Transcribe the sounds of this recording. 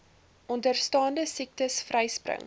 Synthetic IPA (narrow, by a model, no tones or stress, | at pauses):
ʔɔndərstɑːndəsik̚təsfrɛjsprə̰ŋ